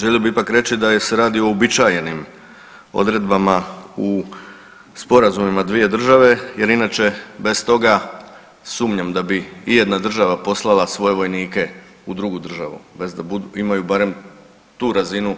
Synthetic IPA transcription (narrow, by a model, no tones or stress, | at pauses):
ʒeliobiipakɾe̞t͡ɕid̪aje̞se̞ɾaːd̪ioobit͡ʃaje̞nim | o̞̰d̪ɾe̞d̪bamau | spo̞ɾazumimad̪ʋije̞d̪r̩ʒaʋe̞je̞ɾinat͡ʃe̞be̞st̪o̞ɡa | suːmɲamd̪abiːje̞d̪nad̪r̩ʒaʋapo̞slˠalˠasʋo̞je̞ʋo̞jniːke̞ | ud̪ɾuɡud̪r̩ʒa̰ʋṵbezbuimajubaːɾe̞m | t̪uːɾazinu